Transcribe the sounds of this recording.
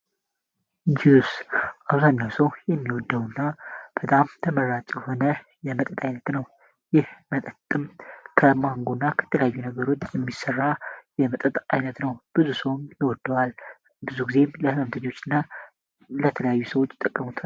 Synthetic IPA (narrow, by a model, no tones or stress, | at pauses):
d͡ʒiusʔaβzaɲːawsəwjɛmːiwɔd̪ːəwnːab̥ət̪ʼamt̪ʰəməɾat͡ʃʼjho̞nə | jɛmət̪ʼət̪ʼajnət̪nəw | jɪhmət̪ʼət̪ʼːɨmkʰəmaŋɡonːakʰə̥t̪ʰələjajːunəɡəɾo̞t͡ʃːjɛmːisərːajɛmət̪ʼət̪ʼajnət̪nəwb̥ɨzusəwmjɪwɔd̪ːəwal | bɨzuɡize̞mləhɨməmt̪ʰəɲːo̞t͡ʃːɨnːa | lət̪ʰələjajːusəwo̞t͡ʃːt̪ʼːəkʼːəmut̪ʰ